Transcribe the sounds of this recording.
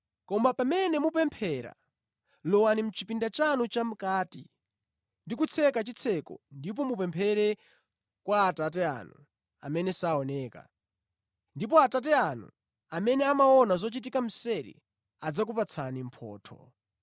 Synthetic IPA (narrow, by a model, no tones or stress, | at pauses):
kɔmbapamɛnɛmupɛmpʰɛɾa̰ | lɔwanim̩t͡ʃipindat͡ʃanut͡ʃam̩kaːtḭ | ndik̬ut͡sʰɛkat͡ʃit͡sʰɛkɔ̰ndip̬ɔmupɛmpʰɛɾɛ | kwaːtat̬ɛa̰nu | a̰mɛnɛsaɔnɛːka̰ | ndip̬ɔatat̬ɛanṵ | amɛnɛamaɔnazɔt͡ʃit̬ikam̩sɛɾḭ | ad͡zak̬upat͡sʰanim̩pʰɔ̰ːtʰɔ̰